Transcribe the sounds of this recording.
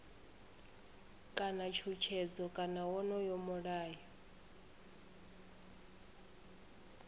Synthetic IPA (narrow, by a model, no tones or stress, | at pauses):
kʼanat͡ʃʰut͡ʃʰɛd͡zɔkʼanawɔnɔjɔmɔɺaːjɔ